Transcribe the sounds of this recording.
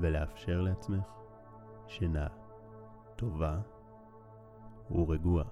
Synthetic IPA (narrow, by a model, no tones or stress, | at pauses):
veleafʃe̞ʁleat͡sme̞χ | ʃena | t̪o̞va | hṵʁeɡua